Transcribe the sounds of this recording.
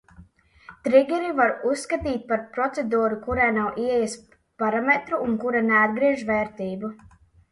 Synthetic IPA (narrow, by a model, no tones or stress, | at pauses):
t̪ɾiɡʲɛɾivaɾusːkat̪iːt̪̚paɾpɾɔt̪sed̪uːɾukuɾajnawʔiɛjɛs | paɾamet̪ɾuːnkuɾanead̪̚ɡɾiɛʒvɛːɾt̪iːbu